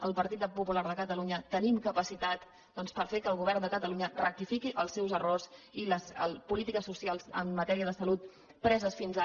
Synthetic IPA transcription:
əlˠpəɾt̪it̪əpupulaɾðəkət̪əluɲət̪ənimkəpəsit̪at̪ | d̪ɔnspəɾfekəlˠɣuβ̞ɛrnd̪əkət̪əluɲərə̰k̚t̪ifikiʔəlˠsːɛwzərorziləsəpulit̪ikəsːusialˠzə̰mːət̪ɛɾiəðəsəlut̪̚ | pɾɛzəsfinza

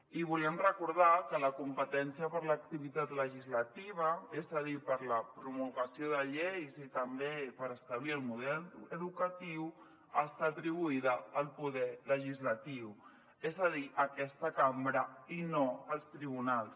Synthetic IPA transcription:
iβulɛmrəkuɾð̞akələkumpət̪ɛnsijəpəɾlək̚t̪iβit̪at̪ləʒizlət̪iβ̞əezəðipəɾləpɾumulɣəsioðəʎejzit̪əmbepəɾəst̪əβliəlˠmuðɛləðukət̪iw | əst̪at̪ɾiβ̞uiðəːlˠpuðɛləʒizlət̪iw | ezəðiʔəkɛst̪əkambɾəinoəlˠst̪ɾiβunalˠs

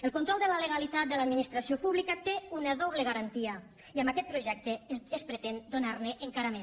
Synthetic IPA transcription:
əlˠkunt̪ɾɔlˠd̪əlaləɣalit̪at̪̚d̪əlad̪̚minist̪ɾasiopuβlikət̪eunəðɔβ̞leɣaɾant̪iə | iəmbakɛt̪̚pɾuʒɛk̚t̪eespɾət̪end̪onarneʔeŋkaɾame

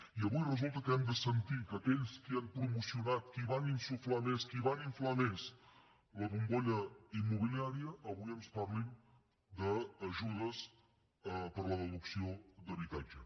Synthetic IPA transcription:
iəβujrəzulˠt̪əkəɛmd̪əsənt̪ikəkɛʎskianpɾumusiunat̪̚kiβaninsuflameskiβaniɱflanes | ləβuŋɡoʎəimːuβiliaɾiəʔːβujəmsparlin | d̪əːʒuðəs | pəɾləðəðuksiod̪əβit̪ad͡ʒə

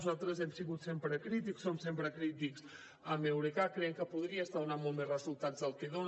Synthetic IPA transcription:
zalˠt̪ɾəzɛmsiɣut̪sempɾəkɾit̪̬iksomsempɾəkɾit̪iks | əmewɾekakɾɛŋkəpuðɾiəst̪aðunamolˠt̪mezrəzulˠt̪azðəlˠkeðon

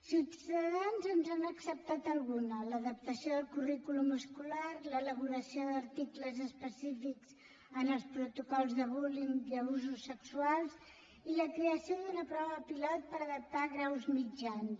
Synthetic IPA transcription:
siut̪əðanzənzanəksəp̚t̪at̪əlˠɣunələðəp̚t̪əsioðəlˠkurikulumuskularlələβ̞uɾəsioðəɾt̪ikləzəspəsifikz̥ | ənəlˠspɾut̪ukɔlˠzðəβuliŋəβuzusːəksualˠz | iləkɾeəsijoðunəpɾɔβəpilɔt̪̚pəɾəðəp̚t̪aɣɾawzmid͡ʒans

